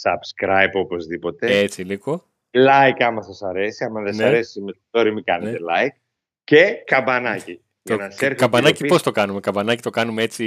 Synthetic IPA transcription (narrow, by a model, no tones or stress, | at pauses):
sɐbskɾɐjbo̞po̞zðipo̞t̪e̞e̞t͡siliɣo̞ | lɐjkɐmɐsɐsɐɾe̞siɐmɐðesneɐɾe̞simest̪oɾimikɐnenet̪elɐjk̚ | cekɐmbɐnɐci | t̪onɐseɾkɐmbɐnɐcipo̞st̪o̞kɐnume̞kɐmbɐnɐcit̪o̞kɐnumee̞t͡si